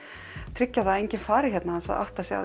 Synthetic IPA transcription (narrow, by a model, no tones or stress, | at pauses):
t̪ʰɾɪcːaðaejɲcɪnfaːɾɪçɛt̪naansa̰ʔa̰wht̪asjɛa̰